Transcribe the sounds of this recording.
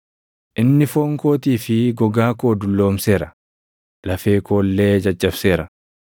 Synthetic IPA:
ʔɪnːɪfoːŋkoːt̪iːfɪɡɔɡaːkoːd̪ʊlːo̞ːmse̞ːɾɐ | lɐfeːkoːlːeːd͡ʒɐd͡ʒʼːɐbseːɾɐ

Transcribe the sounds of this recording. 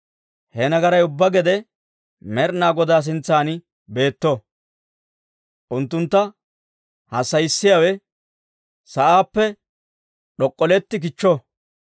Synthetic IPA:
hɛnɐɡɐɾɐjʊbːɐɡɛd̪ɛ | mɛɾnaːɡɔd̪aːs̬ɪnt͡sːaːnɪ | be̞ːt̪ːɔ | ʔʊnt̪ːʊnt̪ːɐ | hɐsːɐjɪsːɪjawɛ | sɐʔaːpːɛ | ɗɔkʼːɔlɛt̪ːɪk̬ɪt͡ʃːɔ

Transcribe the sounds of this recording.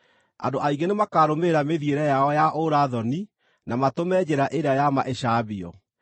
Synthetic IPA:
a̰ndoʔaiɡenemakaːɾomeɾameðieɾɛjaɔjaʔoɾaðɔni | namatomɛd͡ʑeɾaʔeɾeajama̰ʔeɕaβiɔ̰

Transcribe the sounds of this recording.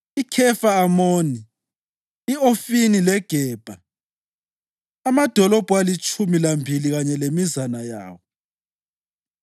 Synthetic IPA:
ikʰɛfaamoːniː | ofinilɛɡ̥ʱɛːb̥ʱa | amad̥ʱɔlɔb̥ʱualit͡ʃʼumilambʱiliɣaɲɛlemizanaja̰ːwɔ

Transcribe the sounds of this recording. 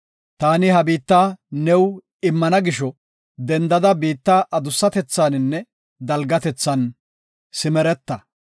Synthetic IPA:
t̪aːnɪɦɐbiːt̪ːaːnɛw | ɪmːɐnɐɡɪʃɔ | d̪ɛnd̪ɐd̪ɐbiːt̪ːaːʔɐd̪ʊsːɐt̪ɛt͡sːaːnɪnːɛ | d̪ɐlɡɐt̪ɛt͡sːɐn | sɪmɛɾɛt̪ːɐ

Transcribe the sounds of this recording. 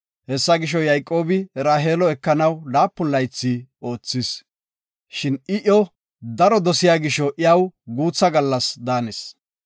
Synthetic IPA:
hɛsːɐɡɪʃ̬ɔjɐjkʼːo̞ːbɪɾaːɦeːlɔɛkːɐnɐwlaːpːʊlːɐjt͡sːio̞ːt͡sːɪs | ʃɪnɪʔɔ | d̪ɐɾɔd̪ɔsɪjaːɡɪʃɔʔɪjɐwɡuːt͡sːɐɡɐlːɐsd̪aːnɛs

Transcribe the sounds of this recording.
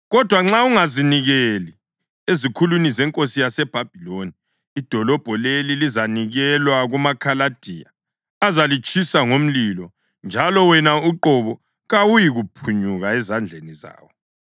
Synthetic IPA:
ɣɔd̥ʱwaŋ͡ǁauŋaziniɣeli | ezikʰulunizɛŋkʼosijasɛb̥ʱab̥ʱiloniː | d̥ʱɔlɔb̥ʱɔlelilizaniɣɛlwaɣumakʰalad̥ʱiːja̰ː | zalit͡ʃʼʰisaŋom̩lilɔ | nd͡ʒʱalɔwɛnauǃɔβɔ | ɣawujiɣupʰuɲuɣaɛzand͡ɮʱeniza̰ːwɔ

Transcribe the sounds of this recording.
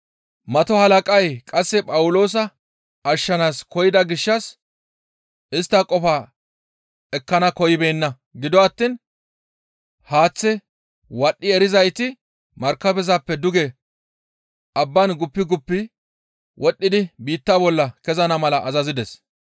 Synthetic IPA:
mɐt̪ɔhɐlɐkʼɐjkʼɐsːɛpʼɐwʊlo̞ːs̬ɐ | ɐʃːɐnaːskɔjɪd̪ɐɡɪʃːɐs | ɪst̪ːɐkʼɔfaː | ɛkːɐnɐkɔjɪbeːnːɐ | ɡɪd̪ɔɐt̪ːiːn | haːt͡sːɛ | wɐɗːɪɛɾɪzɐjt̪ɪ | mɐɾkːɐbɛzapːɛd̪ʊɡɛ | ɐbːɐnɡʊpːɪɡʊpːɪ | wʔɔɗːɪd̪ɪbiːt̪ːabɔlːɐkɛzɐnɐmɐlɐʔːzɐzɪd̪ɛs

